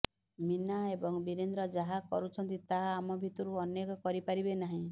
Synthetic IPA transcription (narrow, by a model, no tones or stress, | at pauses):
minaebɔŋbiɾend̪ɾɔd͡ʒaɦakɔ̰ɾut͡ʃʰɔnt̪it̪aɦaːmɔbʱit̪ɔɾuɔnjekɔkɔɾipaɾibenaɦĩ